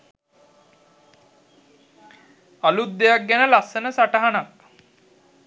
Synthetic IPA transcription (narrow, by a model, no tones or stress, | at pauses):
alut̪̚d̪ejak̚ɡænəlasːənəsaʈəɦanak̚